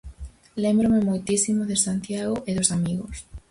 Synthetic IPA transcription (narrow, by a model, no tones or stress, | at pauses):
lembɾomemojt̪isimoðesant̪jaɣoʔeðosamiɣos